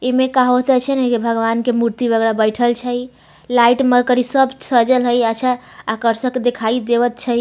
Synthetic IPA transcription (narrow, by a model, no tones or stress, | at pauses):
emekaɦot̪ət͡ʃʰənekebʱəɡʋankemuɾt̪ibəɡɾabəjʈʰəlt͡ʃʰəj | laiʈməɾkəɾisəbsəd͡ʒəlɦəjət͡ʃʰaakəɾsəked̪ekʰaid̪eʋət̪t͡ʃʰəj